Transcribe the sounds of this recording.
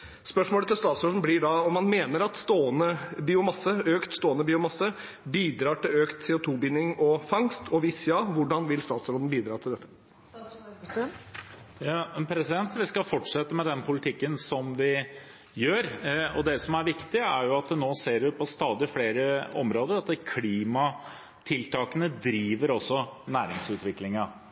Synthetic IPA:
spœʂmoːlət̪ʰɪlst̪ɑːt̪sɾoːd̪n̩blɪɖɑɔmːɑnmeːnəɾɑt̪st̪oːənəbiːʊmɑsːəøːkt̪st̪oːənəbiːʊmɑsːə | biːd̪ɾɑːʈɪløːkt̪seːʊt̪ʰuːbɪnːɪŋɔfɑŋst̪ʰɔʋiːsjɑːʋʊɖɑnʋɪlst̪ɑːt̪sɾoːd̪n̩biːd̪ɾɑːt̪ʰɪld̪ɛt̪ːə | jɑɛnpʰɾɛsɪd̪ɛnt̪ʋɪskɑfɔʈʂɛt̪ːəmɛd̪ɛnpʊlɪt̪ʰɪkːənsɔmʋɪ | jøːɾɔ̰d̪ɛsɔmæɾʋɪkt̪ɪəæɾjʊɑt̪̚d̪ɛnoːseːɾʋɪpʰɔst̪ɑːd̪ɪfleːɾəɔ̰mɾoːd̪əɾɑt̪kʰliːmɑ | t̪ʰɪlt̪ʰɑːkənəd̪ɾiːʋəɾɔsːɔnæːɾɪŋsʉːt̪ʋɪklɪŋɑ

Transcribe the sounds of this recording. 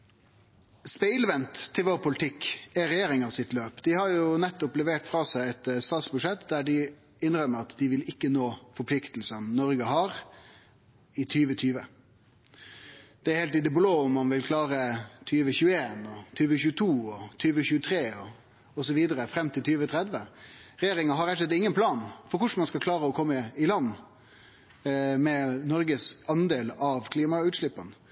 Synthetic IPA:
spɛɪlʋɛnt̪ʰːɪlʋoːɾpʰʊlɪt̪ʰɪkːæɾɛjeːɾɪŋɑsɪt̪løːpd̪̥ɪhɑɾjʊnɛt̪ːɔplɛʋeːʈfɾɑːsæɪɛt̪st̪ɑːt̪sbʉʂɛt̪d̪æɖɪ | ɪnɾœmːəɾɑt̪d̪ɪʋɪlɪkːənoːfɔɾpʰlɪkt̪lsənnɔɾɡəhɑɾ | ɪt̪ʰyːʋət̪ʰyːʋə | d̪̥ɛɾhɛːlt̪ɪd̪ɛbloːʊmːɑnʋɪlkʰlɑːɾət̪ʰyːʋəçʉːəeːnɔt̪ʰyːʋəçʉːt̪ʰuːɔt̪ʰyːʋəçʉːət̪ʰɾeːɔ | ɔsɔʋiːd̪əɾəfɾɛmːt̪ʰɪlt̪ʰyːʋət̪ʰɾɛd̪ʋəɾɛjeːɾɪŋɑɦɑɾɛt̪əlɛt̪ɪŋːənpʰlɑːnfɔɾkʊʂmɑnskɑlkʰlɑːɾəɔkʰɔmːəɪlɑnː | mɛnɔɾɡəsɑnd̪eːlɑʋkʰliːmɑʉːt̪ʂlɪpːən

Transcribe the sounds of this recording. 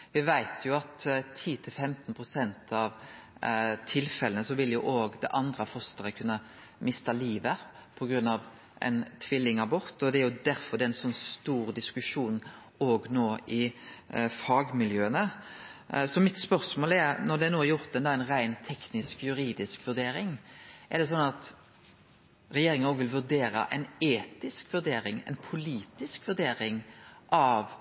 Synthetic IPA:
ʋɪʋæɪt̪ʰjʊɑt̪t̪ʰiːt̪ʰɪlfɛmt̪npʰʁʊsɛnt̪ʰɑʋ | t̪ʰɪlfɛlənəsɔʋɪljʊʔoːɡd̪ɛʔɑnd̪ɾəfɔst̪əʁəkʰʉnːə | mɪst̪ɑliːʋəpʰɔɡɾʉnːɑʋ | ʔɛ̰nt̪ʰʋɪlːɪŋɑbʊʁt̪ɔd̪ɛæɾjʊd̪æɾfɔʁd̪ɛæɪnsɔnːst̪uːʁd̪ɪskʉʂuːn | oːɡnoːɪ | fɑːɡmɪljøːənə | sɔmɪt̪spœɾsmoːlɛɾnɔd̪ɛænoːjʊɾt̪d̪ɛnd̪ɑːæɪnʁæɪnt̪ʰɛknɪskjʉɾiːd̪ɪskʋʉɾd̪eːɾɪŋʔɛʁd̪ɛs̬ɔnːɑt̪ | ʁɛjeːɾɪŋənoːɡʋɪlʋʉɾd̪eːɾə̰ʔɛɪneːt̪ɪskʋʉɾd̪eːɾɪŋɛ̰ɪnpʰʊliːt̪ɪskʋʉɾd̪eːɾɪŋʔɑʋ

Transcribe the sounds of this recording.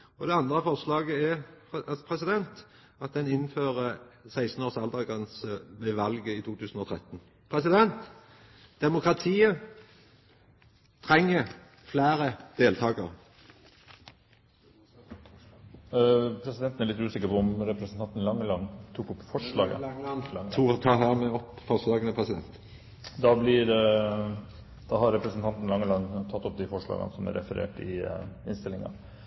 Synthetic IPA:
ɔd̪ɛɑnd̪ʁəfɔʁʂlɑːɡəɛ | pʰʁɛsɪd̪ɛnt̪ | ɑt̪̚d̪ɛnɪnføːʁəsæɪsn̩oːʁsɑld̪ɑɡənsʋɛʋɑlɡəiːt̪ʰuːt̪ʰʉːsən̩ɔːt̪ʰʁɛt̪ːn | pʰʁɛsɪd̪ɛnt̪ | d̪̥ɛmʊkɾɑt̪ʰiːə | t̪ʰɾɛŋːə | flæːɾəd̪̥eːlt̪ʰɑːɡə̰ʁ | pʰɾɛsɪd̪ɛnt̪næɾɭɪt̪ːʉːsɪkːəɾpɔʊmɾɛpɾsnt̪ɑnt̪nlɑŋːəlɑnːt̪ʰuːkɔpːfɔʂɭɑːɡə̰t̪ʰuːt̪ʰɑːɦæːʁmɛɔpːfɔʁsd̪ɑːɡənəpʰʁɛsɪd̪ɛ̰nt̪ | d̪ɑblɪɾ | d̪̥ɑːhɑɾɾɛpɾəsnt̪ʰɑnt̪n̩lɑŋːəlɑnt̪ʰɑt̪ːɔp̚d̪ɪfɔʂɭɑ̰ːɡə̰nsɔmæ̰ɾʔɛ̰fəɾʔḛːʈɪ̰ɪnst̪ɪlɪŋɑ̰

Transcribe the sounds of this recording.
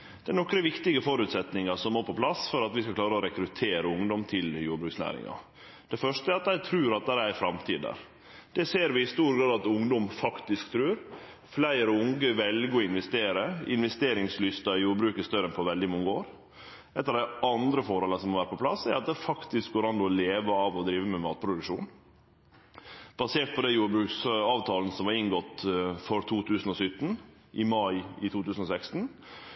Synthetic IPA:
d̪̥ɛnɔkɾəʋɪkt̪ɪɡəfɔɾʉːt̪sɛt̪nɪŋɑʂɔmːoːɾpʰɔpʰlɑsfɔɾɑt̪ʋɪskɑkʰlɑːɾəɔɾɛkɾʉt̪ʰeːɾəʊŋd̪ɔmt̪ʰɪljuːɾbɾʉːksnæ̰ːɾɪ̰ŋɑ̰ | d̪̥ɛfœʂʈəæɾɑt̪æɪt̪ʰɾʉːɾɑt̪̚d̪ɛæɾææfɾɑmt̪ʰiːd̪ə̰ɾ | d̪̥ɛseːɾʋɪɪst̪uːɾɡɾɑːd̪ɑt̪ʊŋd̪ɔmfɑkt̪ɪskt̪ʰɾʉːɾ | flæɪɾəʊŋɡəʋɛlɡəɪnʋɛst̪eːɾəɪ̰nʋɛst̪eːɾɪŋslʏst̪əjuːɾbɾʉːkəst̪œɾənpʰɔʋɛld̪ɪmʊŋːəoːɾ | ʔɛt̪əɾɑd̪æɑnd̪ɾəfɔɾhɑːləsɔmːɔʋæːɾəpʰɔpʰlɑsæɾɑt̪̚d̪ɛfɑkt̪ɪsk̚ɡoːɾɑnd̪ʊɔleːʋəɑːʋɔd̪ɾiːʋəmɛmɑːt̪̚pʰɾʊd̪ʉkʂuːn | b̥ɑseːʈ̪̚pʰɔd̪ɛjuːɾbɾʉːksɑːʋt̪ʰɑːlnəsɔmʋɑɾɪŋɡɔt̪ːfɔɾt̪ʰuːt̪ʰʉːsən̩ɔsʏt̪ːn̩ | ʔɪmɑɪɪt̪ʰuːt̪ʰʉːsn̩ɔsækst̪n̩

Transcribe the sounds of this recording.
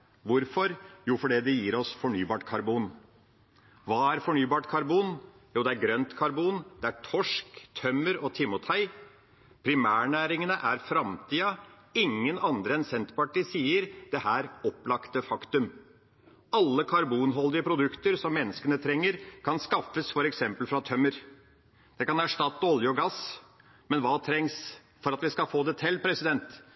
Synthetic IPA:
ʋʊɾfɔɾjuːfɔɖɛd̪ɛjiːɾɔsfɔɳyːbɑːʈkʰɑɾbuːn | ʋɑːæɾfɔɳyːbɑːʈkʰɑɾbuːn | juːd̪ɛæɾɡɾœnt̪kʰɑɾbuːnd̪̥ɛæʈʰɔʂkt̪ʰœmːəɾɔt̪ʰɪmʊt̪ʰhæɪ | pʰɾɪmæːɳæːɾɪŋənəʔæɾfɾɑmt̪ʰiːɑ | ɪŋːənɑnd̪ɾəɛnsɛnt̪pɑʈiːsiːəɾd̪̥ɛhæːɾɔplɑkt̪əfɑkt̪ʉm | ɑlːəkʰɑɾbuːnɦɔld̪ɪəpʰɾʊd̪ʉkt̪əɾsɔmːɛnːəskənət̪ʰɾɛŋːəɾkʰɑnskɑfəsfɔɾɛksɛmpəlfɾɑt̪ʰœmːəɾ | d̪̥ɛkɑnæʂʈɑt̪ːɔljəɔɡɑs | mɛnʋɑːt̪ʰɾɛŋs | fɔɾɑt̪ʋɪskɑfoːd̪ɛt̪ʰɛlːpʰɾɛsɪd̪ɛnt̪

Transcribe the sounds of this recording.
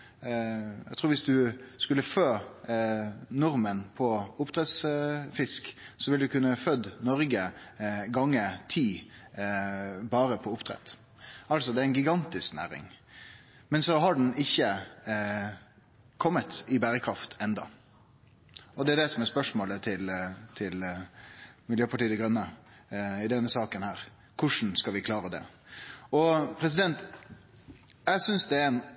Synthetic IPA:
ɛɡt̪ʰɾuːɾʋɪsd̪ʉskʉlːəføː | nʊɾmənpʰɔʊpt̪ʰɾɛt̪sfɪsksɔʋɪld̪ʉkʰʉnːəfœd̪nɔɾɡəɡɑŋːət̪ʰiː | bɑːɾəpʰɔʊpt̪ʰɾɛ̰t̪ː | ɑlsɔd̪ɛæɾɪnɡɪɡɑnt̪ɪsknæ̰ːɾɪ̰ŋ | mɛnsɔɦɑɖɳ̩ɪçːə | kʰɔmːət̪ɪbæːɾəkʰɾɑft̪ʰɛnd̪ɑ̰ | ɔd̪ɛæɖ̪ɛsɔmɛɾspœʂmoːlət̪ʰɪlt̪ʰɪl | mɪljøːpʰɑʈiːd̪ɛɡɾœnːə | ɪd̪ɛnːəsɑːkənhæːɾ | kʰʊʂn̩skɑʋɪkʰlɑːɾəd̪ɛ̰ | ɔpʰɾɛs̬ɪd̪ɛnt̪ | jæɪsʏnsd̪ɛɾɛn

